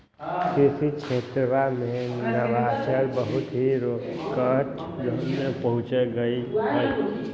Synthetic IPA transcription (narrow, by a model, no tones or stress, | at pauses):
kʰisit͡ʃʰet̪ɾəʋamẽnəʋasəɾbəɦut̪ɦiɾokəʈ | ɡʱənmepəɦũt͡ʃeɡəiə